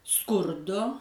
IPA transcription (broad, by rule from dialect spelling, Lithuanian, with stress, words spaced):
ˈskʊrdoː